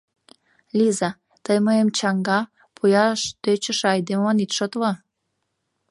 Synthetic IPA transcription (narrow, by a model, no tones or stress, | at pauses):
lizɑ | t̪əjməemt͡ɕɑŋɡɑ | pʰujɑʃt̪øt͡ɕə̆ʃɑjd̪emɑnit̪ʃot̪lɑ